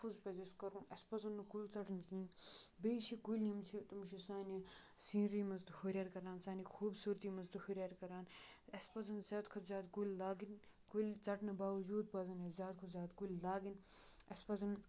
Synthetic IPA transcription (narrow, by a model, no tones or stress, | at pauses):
fuzpɐziskɐɾũɐspɐzɐnːɐkulʲt͡sɐʈnkĩːnbeːt͡ʃʰikulʲnimt͡ʃʰit̪umʃisaːnisĩːnɾimɐzt̪uhuɾʲjɐːɾkɐɾaːnsaːnixʰuːbsuːɾt̪iːmɐnzt̪uhuɾʲjaɾkɐɾaːn | ɐspɐzɐnzʲjaːd̪kʰuzʲaːd̪kulʲlaːɡin | kulʲt͡sɐʈnɐbaːʋɐd͡ʒuːd̪̚pɐzɐnezʲjaːd̪kʰozʲjaːd̪kulʲlaːɡinɐspɐzɐn